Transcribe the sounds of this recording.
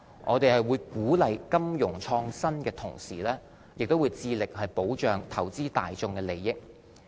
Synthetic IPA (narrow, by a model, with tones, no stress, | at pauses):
ʔɔ̰ː˨˧t̪e˨jhɐ˨jwuː˨˧jkuː˨˥lɐ˨jkɐ˥mjʊ˨˩ŋt͡ʃʰɔː˧ŋsɐ˥nkɛː˧t̪ʰʊ̰˨˩ŋsiː˨˩lɛː˥ | jɪ˨k̚t̪o˥wuː˨˧jt͡siː˧lɪ˨k̚hɐ˨jpo˨˥wt͡ʃœː˨ŋt̪ʰɐ˨˩wt͡siː˥t̪a̰ː˨jt͡sʊ˧ŋkɛː˧le˨˩jːɪ˥k̚